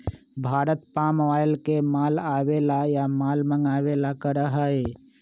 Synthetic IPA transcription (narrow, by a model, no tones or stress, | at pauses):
bʱaɾət̪pamʋajlkemalabelajamalməŋɡabelakəɾəɦəe